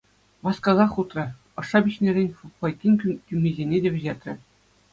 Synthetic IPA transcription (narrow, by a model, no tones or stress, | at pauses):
ʋɑskɑzɑχut̪rɤ̆ | ɤ̆ʂːɑbʲiɕnʲeɾʲenʲfɑjkʲːinʲkʲymʲezʲenʲedʲĕʋʲɘ̆ʑet̪ʲrʲɘ̆